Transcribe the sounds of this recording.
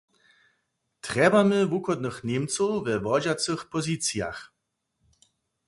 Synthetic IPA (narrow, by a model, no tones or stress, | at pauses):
t̪ʁɛbaməvukɔd̪nəxnemt͡sɔwvɛvɔd͡ʑat͡səxpɔzit͡sja̰x